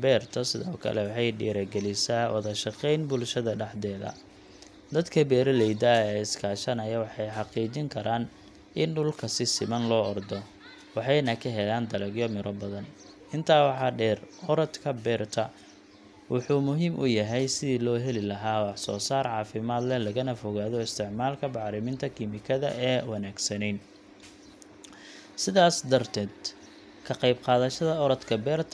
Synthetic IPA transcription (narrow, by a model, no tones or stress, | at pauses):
bɛːrt̪ʰɐsɪðɔːkʰɐ̰lɛwɑħɑjɖiːɾɐɡɛlɪsaːwʔɐ̰ðɐʃɐqɛjnbʊlʃɐðɐɖɑħd̪ɛːðɐ̰ | d̪ɐd̪kʰɐbɛːɾɐlɛjd̪ɐɛːɪskʰaːʃɐnɐjɐwɑħɑjħɑqiːt͡ʃɪŋkʰɐɾaːn | ʔɪnɖʊlkʰɐsɪsɪmɐnlɔːɔrd̪ɔ | wɑħɑjnɐkʰɐɦɛlaːnd̪ɐlɛɡjɔmɪɾɔbɐðɐn | ɪnt̪ʰaːwɑħɑːɖɛːrɔɾɐd̪kʰɐbɛːrt̪ʰɐ | wʔɑħuːmʊɦiːmʔʊ̰jɐɦɛjsɪðiːlɔːɦɛlɪlɐɦaːwɑħsɔ̰ːsaːrʕɑːfɪmaːd̪lɛlɐɣɐnɐfɔɣaːðɔɪst̪ʰɪʕmaːlkʰɐbɑʕɾɪmɪnt̪ʰɐkʰimɪkʰɐðɐ̰ɛːwɐnaːɡsɐnɛjn | sɪðaːsd̪ɐrt̪ʰɛːd̪ | kʰɐqɑjbqɑːðɐʃɐðɐɔɾɐd̪kʰɐbɛːrt̪ʰ